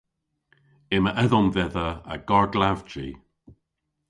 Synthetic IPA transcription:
ɪməʔɛðɔmvɛðəə̰ɡ̥aɹɡlavt͡ʃi

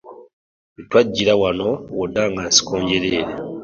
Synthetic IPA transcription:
itwaɟːiɾawano̞wodaːŋɡasi̥koːɲɟeɾeːɾe

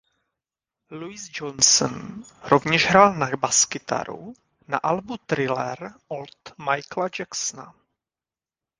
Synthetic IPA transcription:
luɪzd͡ʒonsɔnɾovɲɛʒɦɾalnabaskɪt̪a̰ɾṵ | na̰ʔalbut̪ɾɪlɛɾolt̪majklad͡ʒaksna̰

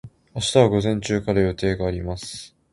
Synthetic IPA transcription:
aɕi̥t̪aβaɡo̞zẽ̞ɲ̟t͡ɕɨːkaɾajo̞t̪e̞ːɡaːɾʲimasɨ̥

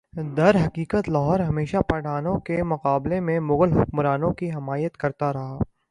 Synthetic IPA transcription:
d̪ɐɾɦɐqiːqət̪lɐɦɔːɾɦɐmeːʃapɐːɽʱaːnõkemʊqaːblemẽmʊɣəlɦʊkmɾaːnõkiɦɪmaːjət̪kɐɾt̪aɾɐɦaː

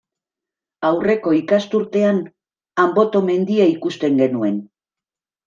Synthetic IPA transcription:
awre̞ko̞ikast̪uɾt̪e̞an | ambo̞t̪o̞me̞nd̪iaikust̪e̞ŋɡe̞nue̞n

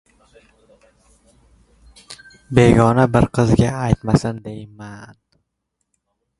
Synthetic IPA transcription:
be̞ɡɒnabɪɾqʰɨzɡʲaajt̪masɪnd̪e̞jman

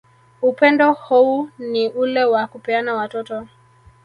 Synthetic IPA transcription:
upɛndɔhuːniʔulɛwakupɛanawatɔtɔ

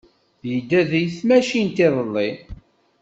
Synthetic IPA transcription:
jəd̪ːæðijθmæʃint̪ɪðˤəlːi

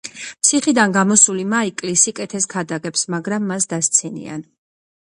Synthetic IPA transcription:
psʰiχid̪anɡamɔsulimaikʼlisikʼɛt̪ʰɛskʰad̪aɡɛpsmaɡɾamːasd̪ast̪sʰinḭa̰n

